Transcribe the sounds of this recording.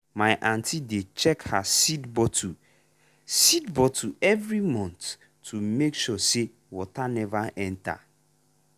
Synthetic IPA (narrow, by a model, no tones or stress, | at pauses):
mãɪʔãntʰidet͡ʃʰɛkhasidbɔtʰu | sidbɔtʰuɛvɾimɔ̃ntʰː | umekʃuɔse | wɔtʰanɛvaɛ̃ntʰa̰